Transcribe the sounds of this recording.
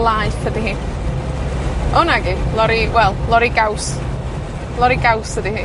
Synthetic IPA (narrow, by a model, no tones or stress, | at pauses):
lˠaɨfədiɦiː | ɔnaɡilˠɔɾiwɛlˠlˠɔɾiɡaws | lˠɔɾiɡawsədihiː